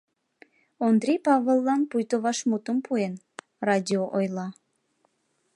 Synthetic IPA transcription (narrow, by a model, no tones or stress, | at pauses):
ond̪ɾʲejpɑβəlˠːɑnpujt̪oβɑʃmut̪əmpʰuen | rɑdʲioʔojlɑ